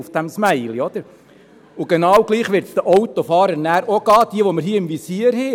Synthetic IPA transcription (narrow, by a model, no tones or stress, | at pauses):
ufd̥æmsmæɪliɔd̥̪əɾ | ʊɡ̥enɑːwɡ̥liːχʋɪɾt̪sd̥̪əʔɔwt̪ɔfɑːɾəɾnæːɾoɡ̥ɑːd̥iəʋɔməɾɦiːəɪmvisiːəɾheː